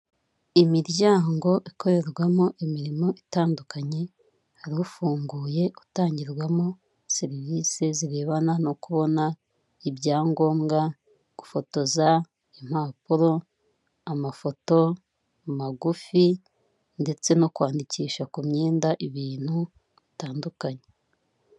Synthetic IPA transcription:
imiɾɟaːŋɡo̞ʔikʰo̞ɾe̞ɾɡwamo̞ʔimiɾimo̞ʔitaːndukaɲe̞ | haɾiufuːŋɡuːje̞u̥taːɲɟiɾɡwamo̞ | seɾiviseziɾe̞ːβanano̞kuβo̞na | ibɟaːŋɡo̞ːmɡa | ɡ̥ufo̞to̞za | im̥aːpuɾo̞ | amafo̞to̞ | amaɡufi | nde̞t͡se̞no̞kwaːndiciːʃakumɲe̞ːndaʔiβiːn̥hu | βitaːndukaɲe

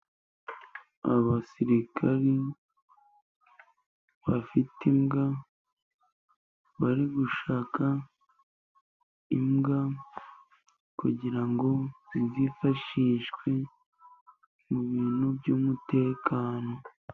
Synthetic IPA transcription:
a̰βasiɾikʰaɾi | βafitimɡa | βaɾiɡuʃaːkʰa | imɡa | kṵɟiɾaŋɡo̞izifaʃiʃɡwe | muβiːnubɟuːmute̞ːkʰaːno̞

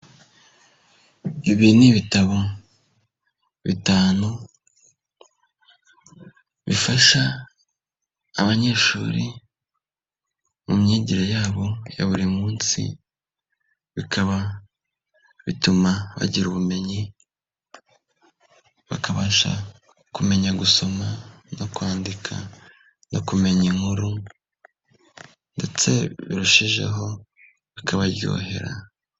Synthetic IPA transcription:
iβiniβitaβo̞ | βitaːnu | βifaʃa | βaɲe̞ːʃṵːɾi | mumɲeːɟiɾajaːβo̞ja̰βuɾimuːnsḭ | βikʰaβa | βitumaβa̰ɟiɾuβume̞ɲi | βakaβaʃa̰ | kume̞ɲaɡuso̞ma | no̞kwaːndikʰa | no̞kume̞ɲiŋhuɾu | nde̞t͡se̞βiɾuʃiʒe̞̰ɦo̞ | βikʰaβaɾjo̰ːɦe̞ɾa̰

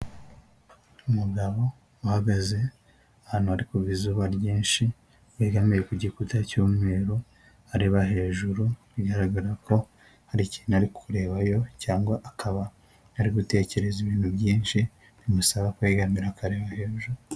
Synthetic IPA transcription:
umuɡaβo̞ | uhaɡaze̞ | ahaːnhuaɾikuβizuβaɾɟiːnʃi | wiːɡamiɾekuɟikutacoːme̞ːɾo | aɾeβaɦe̞ːʒuɾu | uɡaɾaɡaɾako̞ | haɾiciːnaɾikʰuɾe̞ːβajo̞caːŋɡwaʔakʰaβa | naɾiɡute̞ːce̞ɾe̞ziβiːn̥hubɟiːnʃi | nimusaβakaiɡamiɾakaɾe̞βahe̞ːʒuɾu

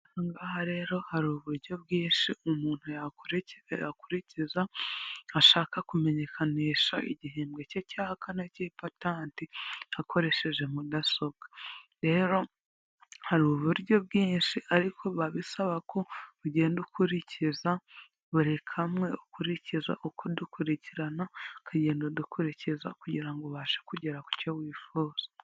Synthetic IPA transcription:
ŋɡaɦaɾe̞ɾo̞haɾuβuɾɟo̞b̚ɡiːnʃiumuːn̥hujaɾja̰kuɾicizaaʃaːkakume̞ɲe̞kʰaniʃaḭɟiɦeːmbɡececaːhkʰanacipataːntiakʰo̞ɾe̞ʃe̞ʒe̞mudaso̞b̚ɡaɾe̞ːɾo̞ | haɾuβuɾɟo̞bɡiːnʃiʔaɾikʰo̞βaβisaβakʰo̞uɟe̞ːndukʰuɾiciza | βuɾe̞kʰamŋe̞ukuɾiciza̰ʔokʰodukʰuɾiciɾanakʰaɟe̞ːndodukuɾiciza̰kuɟiɾaŋɡo̞βaːʃe̥kuɟeɾaku̥cowiːfuːz̥a

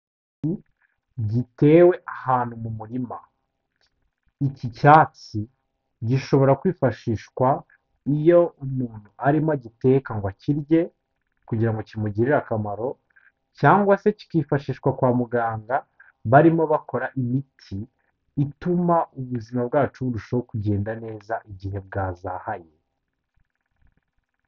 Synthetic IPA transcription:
i | ɟite̞ːwe̞ʔahaːn̥humumuɾima | icicaːt͡si | ɟiʃo̞βo̞ɾakwiːfaʃiːʃkwa | ijo̞umuːn̥huʔaɾimoɟite̞kaŋɡwaciɾje̞ | kuɟiɾaŋɡo̞cimuɟiɾiɾakamaɾo̞ | caːŋɡwaseci̥kiːfaʃiːʃkwakwaːmuɡaːŋɡa | βaɾimo̞βako̞ɾaʔimitʰiː | tumauβuzimab̚ɡaːt͡ʃuɾuʃawokuɟeːndane̞ːzaʔiɟihe̞b̚ɡaːzaːhaje

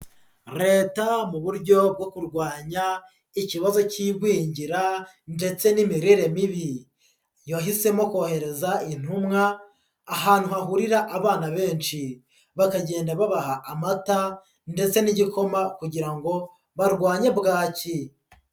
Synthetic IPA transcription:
ɾe̞ːtamuβuɾɟo̞b̚ɡo̞kuɾɡwaːɲa | iciβazo̞ciːɡwiːɲɟiɾa | nde̞t͡se̞nimiɾiɾe̞miβi | jaɦise̞mo̞kohe̞ɾe̞zain̥humŋaː | ɦaːn̥huhaɦuɾiɾaʔaβaːnaβe̞ːnʃi | βakaɟe̞ːndaβaβahaʔːmata | nde̞t͡se̞niɟiko̞makuɟiɾaŋɡo̞ | βaɾɡwaːɲe̞bɡaːci

